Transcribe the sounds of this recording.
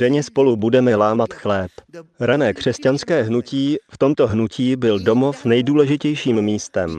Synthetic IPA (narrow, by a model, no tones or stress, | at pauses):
d̥ɛɲɛspo̞lubudɛmɛlaːmat̪xlɛːpɾanɛːkr̝̥ɛscanskɛːɦnuciːft̪o̞mt̪o̞ɦnucʰiːbɪldo̞mo̞fnɛjduːlɛʒɪcɛjʃiːmːiːst̪ɛm